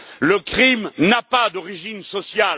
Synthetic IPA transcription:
ləkχimnapad̪ɔʁiʒinsɔsjal

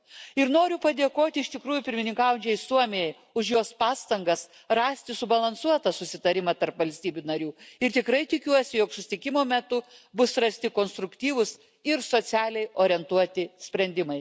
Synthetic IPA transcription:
ɪɾnoːɾʲʊpɐd̪ʲeːkoːt̪ʲɪɪʃʲt̪ʲɪkɾuːjʊpʲɪɾʲmʲɪnʲɪŋkɑːʋʊnʲt͡ʃʲɛɪsuɔmʲɪjɛj | ʊʃjoːspɑːst̪ɐŋɡɐs | rɑːsʲt̪ʲɪsʊbɐlˠɐnsuɔt̪ɐsʊsʲɪt̪ɐɾʲɪmɑt̪ɐɾpʋɐlʲsʲt̪ʲiːbʲunɐɾʲuːɪɾt̪ʲɪkɾɐɪt̪ʲɪkʲuɔsʲɪjoːksʊsʲɪ̥t̪ʲɪkʲɪmoːmʲɛt̪ʊbʊsɾɐsʲt̪ʲɪkoːnst̪ɾʊkt̪ʲiːʋʊs | ɪɾsoːsʲæːlʲɛɪʔoːɾʲɪɛnt̪uɔt̪ʲɪsʲpʲɾʲɛnʲd̪ʲɪmɐɪ

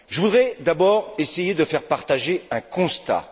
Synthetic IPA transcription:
ʒəvud̪ʁɛd̪abɔːʁesejed̪əfɛʁpaʁt̪aʒeɛ̃kɔ̃st̪a̰

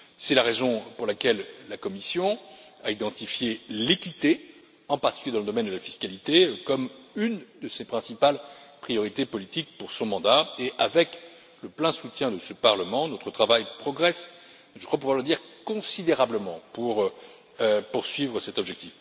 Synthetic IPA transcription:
sɛlaʁezɔ̃puʁlakʲɛlːakɔmisjɔ̃aid̪ɑ̃t̪ifjelekʲit̪e | ɑ̃paʁt̪i̥kyljed̪ɑ̃ləd̪ɔmɛnd̪əlafi̥skalit̪ekɔmynd̪əsepχɛ̃sipalpχijɔʁit̪epɔlit̪ik̚puʁsɔ̃mɑ̃d̪aeʔavɛk | ləplɛ̃sut̪jɛ̃d̪əsəpaʁləmɑ̃nɔt̪χət̪χavajpχɔɡʁɛs | ʒəkwap̬uvwaʁləd̪iʁkɔ̃sid̪eʁabləmɑ̃puʁ | puʁsɥivʁəsɛt̪ɔbʒɛk̚t̪if

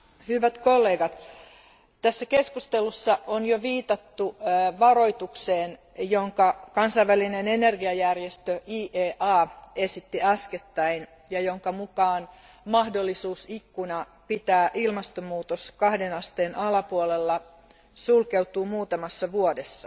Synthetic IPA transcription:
hyʋæt̪kolːe̞ːɡɑt̪ | t̪æsːæke̞skust̪elusːɑonjoʋiːt̪ɑt̪ːuʋɑro̞jt̪ukseːn | joŋkɑkɑnsɑjʋælinene̞ne̞rɡiɑjærjest̪øʔiːʔeːʔɑːe̞sit̪ːiɑsket̪ːæin | jɑjoŋkɑmukɑːn | mɑhdolːisuːsikːunɑ | pit̪æːʔilmɑst̪omuːt̪oskɑhdenɑst̪eːnɑlɑpuolelːɑ | sulkewt̪uːmuːt̪ɑmɑsːɑʋuodesːɑ

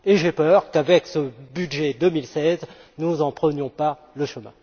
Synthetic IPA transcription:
eʒepœʁkavɛksəbydʒɛd̪əmilsɛznuzɑ̃pχənjɔ̃pa | ləʃəmɛ̰̃

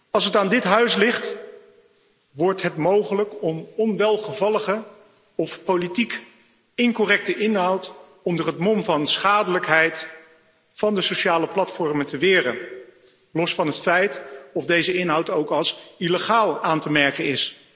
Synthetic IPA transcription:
ɑlˠs̬ɦətaːndɪtɦœɥslɪχt | ʋɔɹtɦətmowχələkɔmɔnʋɛlˠχəvɑləχə | ɔfpowlitik | ɪŋkɔrɛk̚təʔɪnɦʌwt | ɔndərɦətmɔmvɑnsχaːdələkɦɛjt | fɑndəsowʃaːləplɑtfɔɹmətəʋɪːrən | lɔsfɑnɦətfɛjtɔfdejzəɪnɦɑwtowkɑlˠsileχaːlˠaːntəmɛɹkənɪs

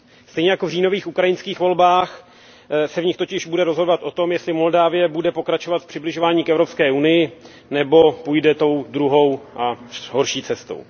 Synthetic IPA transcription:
st̪ɛjɲɛjakovriːno̞viːxukɾajɪnskiːxvo̞lbaːx | sɛvɲɪxt̪o̞cɪʒbudɛɾozɦo̞dovat̪ʔo̞t̪o̞mjɛst̪lɪmo̞ldaːvɪjɛbudɛpo̞kɾat͡ʃo̞vat̪fpr̥ɪblɪʒo̞vaːɲiːkɛvɾo̞pskɛːunɪjɪ | nɛbo̞pujdɛt̪o̞wdɾuɦo̞wʔaɦo̞ɾʃiːt͡sɛst̪o̰w

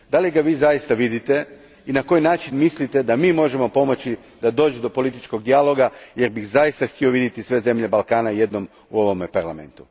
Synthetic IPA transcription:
d̪aliɡaʋiːzajist̪aʋid̪it̪e̞ | inako̞jnaːt͡ʃinmislit̪e̞d̪amiːmo̞ʒe̞mo̞po̞mo̞t͡ɕi | d̪ad̪o̞ːd͡ʒud̪o̞po̞lit̪it͡ʃko̞ɡd̪ialo̞ɡaje̞ɾbixzajist̪axt̪io̞ʋid̪jet̪isʋe̞ze̞mʎe̞balˠkaːnaje̞d̪no̞m | uo̞ʋo̞mepaɾlame̞̰nt̪u̥

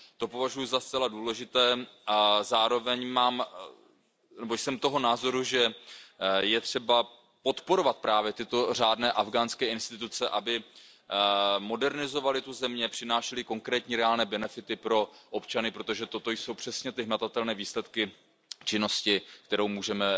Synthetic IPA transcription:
t̪o̞po̞vaʒujuzast̪t͡sɛladuːlɛʒɪt̪ɛːʔazaːɾo̞vɛɲmaːm | nɛbo̞jsɛmt̪o̞ɦo̞naːzo̞ɾuʒɛ | jɛt̪r̝̥ɛba | po̞t̪po̞ɾo̞vat̪̚pɾaːvjɛt̪ɪt̪o̞r̝aːdnɛːʔavɡaːnskɛːɪnst̪ɪt̪ut͡sɛʔabɪ | mo̞dɛɾnɪzo̞valɪt̪uzɛmɲɛpr̥ɪnaːʃɛlɪko̞ŋkɾɛːt̪ɲiːɾɛaːlnɛːbɛnɛfɪt̪ɪpɾo̞ʔopt͡ʃanɪpɾo̞t̪o̞ʒɛt̪ot̪o̞jso̞wpr̝̥ɛsɲɛt̪ɪɦmat̪at̪ɛlnɛːviːslɛt̪kɪ | t͡ʃɪno̞scɪkt̪ɛɾo̞wmuːʒɛmɛ

